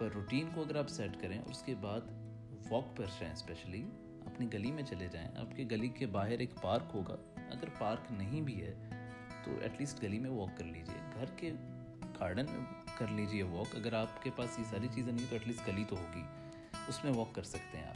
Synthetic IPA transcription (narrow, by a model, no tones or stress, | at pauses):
pɐɾːuːʈiːnkoɐɡəɾaːpsɛːʈkɐɾẽʔɔ̰ːɾʊskebaːd̪ | ʋɔːkpɐɾd͡ʒaːḛ̃spɛːʃəli | ɐpniɡɐlimẽt͡ʃɐled͡ʒaːḛ̃a̰ːpkeɡɐlikebaːɦɪɾeːkpaːɾkɦoːɡa̰ːɐ̰ɡəɾpaːɾknɐɦĩbʱiɦɛː | t̪o̰ːʔɛ̰ʈliːsʈɡɐlimẽʋɔːkːɐɾliːd͡ʒḭḛɡʱɐɾke | kaːɾɖənmḛ̃ | kɐɾliːd͡ʒiɛʋɔːkɐɡəɾaːpkepaːsjesaːɾit͡ʃiːzẽnɐ̃ĩt̪oɛʈliːsʈɡɐlit̪oɦoːɡḭː | ʊsmẽʋɔːkːɐɾsɐk̚t̪eɦɛ̃aːp